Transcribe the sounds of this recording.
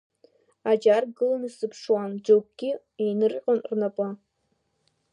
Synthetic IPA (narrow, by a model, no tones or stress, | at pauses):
ad͡ʒarɡɨlanɨsɨpʰʂwand͡ʒoɡ̚ʷɡʲi | ejnɨrqʲʼʊnrnapʼa